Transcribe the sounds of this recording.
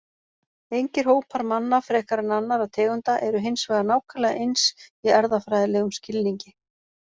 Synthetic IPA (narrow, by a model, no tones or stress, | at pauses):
ejɲcɪɾ̥ɦoːwpʰaɾmanːafɾɛːhkaɾɪnanːaɾaðt̪ʰɛːɣʏnt̪aʔɛɾʏɦensvɛːɣanaːwkʰalɛɣaʔejnsiɛɾðafɾajðɪlɛɣʏmscɪlniɲcɪ